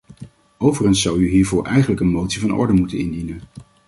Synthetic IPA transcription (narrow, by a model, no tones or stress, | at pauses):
owvərənsːɑwyɦiːɹvʊːɹʔɛjχənləkənmowtsivɑnɔ̰ɹdəmutənɪndinən